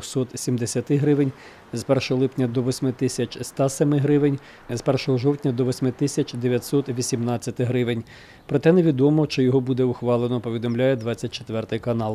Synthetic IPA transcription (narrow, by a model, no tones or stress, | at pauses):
xsɔt̪sʲimd̪esʲɐt̪ɪɦɾɪʋenʲ | zpɛrʃɔɦɔlˠɪpnʲɐd̪ɔʋɔsʲmɪt̪ɪsʲɐt͡ʃʲst̪ɑsɛmɪɦɾɪʋenʲ | zpɛrʃɔɦɔʒɔwtʲnʲɐd̪ɔʋɔsʲmɪt̪ɪsʲɐt͡ʃʲd̪eʋʲjɐt̪ʲsɔt̪ʋʲisʲimnɑt͡sʲːɐt̪ɪɦɾɪʋenʲ | pɾɔt̪ɛneʋʲid̪ɔmɔʃt͡ʃɔjɔɦɔbud̪ɛʊxʋɑlˠenɔpɔʋʲid̪ɔmlʲajɛd̪ʋɑt͡sʲɐt̚ʲt͡ʃet̪ʋɛrt̪ɪjkɐnɑlˠ